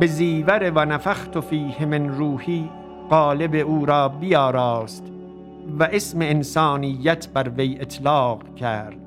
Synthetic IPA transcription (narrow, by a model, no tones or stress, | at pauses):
beziːvæɾevænæfæxt̪ofiːhemenɾuːhiː | ɢɑːlebeuːɾɑːbijɒːɾɑːst̪ | væʔesmeːnsɑːnijːæt̪ʰbæɾvejet̪ʰlɑːqkʰæɾd̪̥